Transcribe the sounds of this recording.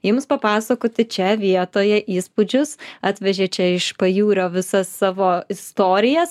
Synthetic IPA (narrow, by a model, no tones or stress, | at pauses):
jʊmspɐpɑːsɐkoːt̪ʲɪt͡ʃʲɛʋʲiɛt̪oːjɛʔiːspʊd͡ʒʲʊsɑːt̪ʲʋʲɛʒʲeːt͡ʃʲɛɪʃpɐjuːɾʲoːʋʲɪsɐsːɑːʋoːɪst̪oːɾʲɪjɛs